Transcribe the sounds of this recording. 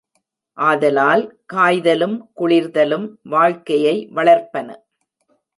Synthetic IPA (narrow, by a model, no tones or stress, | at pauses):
ʔaːðɐlaːlkaːjðɐlɯmkʊɭɪɾðɐlɯmʋaːɻkɐjɐɪʋɐɭɐɾpɐnɐ̰